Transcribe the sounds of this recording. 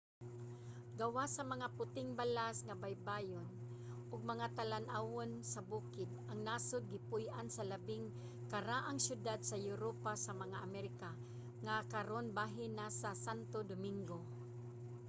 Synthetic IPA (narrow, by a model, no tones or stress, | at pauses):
ɡɐwasɐmɐŋapʊt̪ɪŋbalasŋabajbajon | ʔʊɡ̚mɐŋat̪alanʔawonsabuːkɪd̪̚ʔaŋnasʊd̪̚ɡɪpʊjʔansɐlabɪŋ | kaɾaʔaŋsjʊd̪ad̪̚sajʊɾopasamɐŋaʔamɛɾɪka | ŋakaɾonbaːɦɪnasasant̪od̪ʊmɪŋɡo